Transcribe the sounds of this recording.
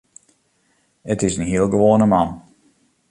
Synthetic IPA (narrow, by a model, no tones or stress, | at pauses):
ətɪsənɦiəlˠɡəʋoənəmɑn